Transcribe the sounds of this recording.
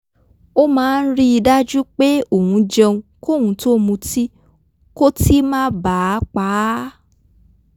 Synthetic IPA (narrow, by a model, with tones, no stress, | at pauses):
o˦mãː˦˧n̩˦ɾi˦i˧da˦d͡ʒu˦k͡pe˦o˨hũ˧d͡ʒɛ̃˧ũ˧ko˦˨hũ˧to˦mũ˧ti˦ | ko˦ti˦mã˦ba˨˦k͡pa˨˦